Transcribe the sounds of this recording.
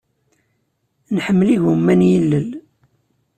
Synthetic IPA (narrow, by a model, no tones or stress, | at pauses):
nħəmːliʝumːænjəlːəl